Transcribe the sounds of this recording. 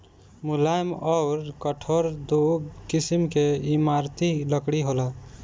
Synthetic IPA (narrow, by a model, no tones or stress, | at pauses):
mulajmɔʊɾkəʈʰoɾd̪ukisimkeimaɾt̪iləkɽiɦola